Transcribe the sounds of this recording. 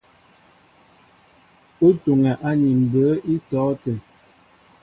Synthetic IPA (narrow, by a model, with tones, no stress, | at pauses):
u˦tu˨ŋɛ˨ʔa˦ɲi˨m̩˨bə˨˦ʔi˦tɔː˨˦tə˨